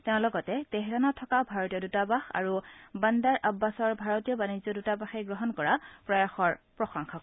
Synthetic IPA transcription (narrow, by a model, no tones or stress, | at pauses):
tẽʊ̃lɔɡɔtɛtɛɦɛɹanɔtʰːɔkabʱaɹɔtijɔdutabaxa̰ɹubandaɹʔabːasɔɹbʱaɹɔtijɔbanizɔdutabaxeɡɹɔɦɔnkɔɹapɹɔjaxɔɹpɹɔxɔŋxak